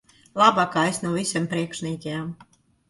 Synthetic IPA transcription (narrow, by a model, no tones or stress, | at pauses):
lˠabakaːesnuwvʲisʲɛmpɾiɛkʃniːkʲɛjam